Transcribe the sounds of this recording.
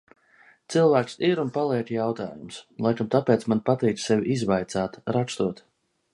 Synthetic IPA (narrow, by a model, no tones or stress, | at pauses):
t̪silˠvæːksiɾunpalˠiɛt̪jawt̪a̰ːjumslˠajkamt̪apɛːt̪smanpat̪iːk̪ssevʲizvajt̪saːt̪ɾakst̪uɔt̪